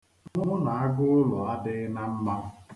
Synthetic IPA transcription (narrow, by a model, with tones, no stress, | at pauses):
ʊ˦ʊ˦na˨a˦ɡʊ˦ʊ˦lʊ˨a˦dɪ˦na˦m̩˦ma˦